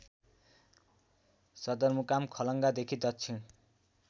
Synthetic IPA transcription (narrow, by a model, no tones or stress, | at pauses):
sʌd̪ʌrmukamkʰʌlʌŋɡad̪ekʰid̪ʌt̪t͡sʰin